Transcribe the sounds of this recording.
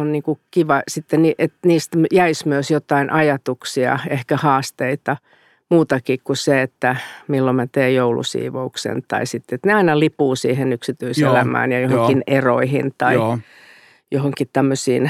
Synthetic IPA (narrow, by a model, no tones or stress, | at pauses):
onniːŋkukiʋɑsit̪ːeniːʔet̪niːst̪mjæismyøsjot̪ɑinʔɑjɑt̪uksiɑ̰ehkæhɑːst̪eit̪ɑ | muːt̪ɑkikkuseet̪ːæmilːomæt̪eːjjoulṵsḭːʋo̰uksḛnt̪ɑ̰isit̪ːet̪neɑinɑlipuːsiːhenyksit̪yiselæmæ̰ːnjɑjohokinero̰ihḭnt̪ɑi | johoŋkitt̪æmːøsiːn